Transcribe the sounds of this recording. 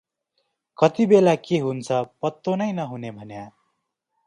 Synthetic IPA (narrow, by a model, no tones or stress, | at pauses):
kʌt̪ibelakeɦunt͡sʰʌpʌt̪ːonʌjnʌɦunebʱʌnja